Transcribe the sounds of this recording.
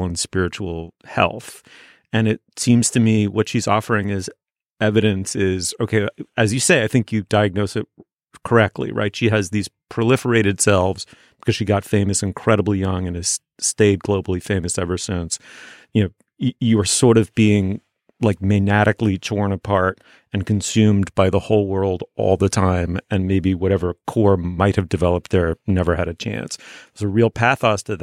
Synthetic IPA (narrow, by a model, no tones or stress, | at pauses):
lˠə̃nspɪɹɨt͡ʃul̩ˠhɛ̰lˠθ | ɨ̃nɪt̚sĩmz̥tʰɨmiwʌtʃizɔ̰fə˞ɪ̃ŋɪz | ɛvɨɾɨ̃nsɪzoʊkʰeɪɨzjɨseɪaɪθɪ̃ŋkjɨdaɪɨɡ̚noʊsɨt̚ | kʰə˞ɛk̚tʰˡlḭɹa̰ɪtʃiɨzðiz̥pʰɹ̥ɨlɪfə˞eɪɾɨd̥sɛlˠvz̥ | b̥ɨ̥kʰʌz̥ʃiɡɑtfẽɪ̃mɨsɨ̃n̩kʰɹ̥ɛɾəbl̩ijʌ̃ŋɨ̃nɨz̥ | steɪd̚ɡloʊbl̩ˠifẽɪ̃mɨsɛvə˞sɪ̃nsjɨnoʊ | ɨjɨə˞sɔɹɾʌvbiɪ̃ŋ | laɪk̚mɨnæɾʔɨklitʰɔɹnəpʰɑɹɾ | ɨ̃nkʰɨ̃nsʉ̃mbaɪðəhoʊlˠwɜ˞lˠdʔɔ̰lˠðətʰãɪ̃mɨ̃nmeɪbiwʌɾɛvə˞kʰɔɹmaɪt̚hɨvdɨvɛlˠəp̚t̪̚ðə˞nɛvə˞ɨɾɨt͡ʃʰæ̰̃nszɨɹilˠpʰæθɑstʰɨð